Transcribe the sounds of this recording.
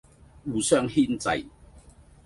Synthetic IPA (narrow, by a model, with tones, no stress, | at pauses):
uː˨˧sœː˥ŋhiː˥nt͡sɐ̰˨˧j